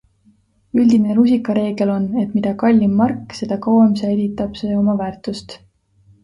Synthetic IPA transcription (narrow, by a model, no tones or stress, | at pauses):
ylʲd̪̥ineɾusikːˑɑɾe̞ːɡ̥e̞lo̞ne̞t̪mid̪̥ɑkɑlʲːimːɑrkːˑse̞d̪̥ɑkɑwemseeɾit̪ːˑɑb̥se̞ːo̞mɑvæːrt̪ˑust̪